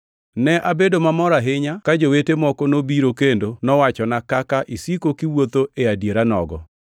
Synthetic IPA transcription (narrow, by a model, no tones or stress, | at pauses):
nɛʔabedomamɔɾaɦɪɲakad͡ʒowetemɔkɔnobiɾokendonɔwat͡ʃɔnakakaʔisikokiwot̪oʔeadjeɾanɔ̰ɡɔ